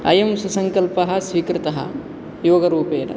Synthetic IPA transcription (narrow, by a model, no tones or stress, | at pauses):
ɐ̰jɐmsusɐŋkɐlpɐɦɐ̆sʋiːkɾɪt̪ɐɦɐ̰ | joːɡɐɾuːpeːɾɐ̰